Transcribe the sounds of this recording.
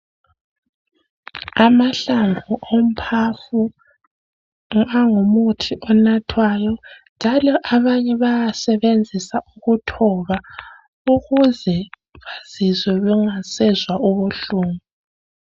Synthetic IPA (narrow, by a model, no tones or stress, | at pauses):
amaɬaɱvʱuʔom̩pʰafu | ŋaŋumutʰiʔɔnatʰwajɔnd͡ʒʱalɔʔaβaɲɛβajasɛβend͡zʱisaʔuɣutʰɔβa | uɣuzɛ | βaz̥izɛβɛŋasɛzwaʔuβuɬuːŋu